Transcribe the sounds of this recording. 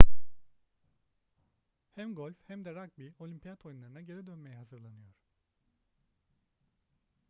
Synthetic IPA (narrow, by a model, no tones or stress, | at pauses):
hæmɡo̞lʲfhæmd̪ɛɾakbio̞lʲympʰijat̪ʰojunlˠaɾɯnaɟe̞ɾid̪ø̞nme̞jɛɦazɯɾlˠanɯjo̞ɾ̥